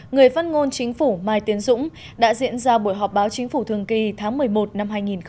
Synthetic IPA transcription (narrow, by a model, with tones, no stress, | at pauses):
ŋɨ˨˩əjfaː˧˥nŋo˧nt͡ɕï˨˦ŋ̟fu˧˩maː˧˩jt̪i˨˦ənzʊ̰˧˥ŋ͡m | ɗa̰ː˧˥zḭ˧˥ənzaː˧ɓu˧˩əjɦɔ˨˩p̚ɓaː˨˦wt͡ɕï˨˦ŋ̟fu˧˩t̪ʰɨ˨˩əŋki˧t̪ʰaː˨˦ŋmɨ˨˩əjmo˨˩t̚na˧mɦaː˧jŋi˨˩nx